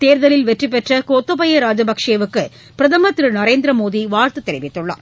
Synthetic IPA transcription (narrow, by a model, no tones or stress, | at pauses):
t̪eːɾðɐlɪlʋɛʈripːɛʈrɐkoːt̪ːɐpɐjɐɾaːd͡ʒɐbɐkʂeːʋɯkːɯ | pɪɾɐðɐmɐt̪ːɾɯnɐɾeːnd̪ɾɐmoːðiʋaːɾt̪ɯt̪ːɛɾɪʋɪt̪ːɯɭːɐ̰